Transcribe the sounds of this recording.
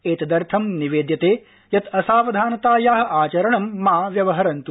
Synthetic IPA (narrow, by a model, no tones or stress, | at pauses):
eːt̪ɐd̪ɐɾt̪ʰɐmniʋeːd̪jɐt̪eː | jɐt̪ɐsaːʋɐd̪ʱaːnɐt̪aːjaːɦɐ̆ʔaːt͡ʃɐɾɐɳɐmːaːʋjɐʋɐɦɐɾɐnt̪u